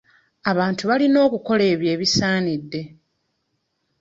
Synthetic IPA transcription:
aβaːntuβalino̞ːkuko̞le̞ːβje̞ːβisaːnidːe̞

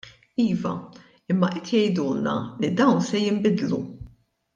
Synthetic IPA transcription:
iːvɐ̰ | ɪmːɐʔɛt̪jɛjd̪uːnɐ̰lid̪ɐwnsɛjɪmbɪd̪lu

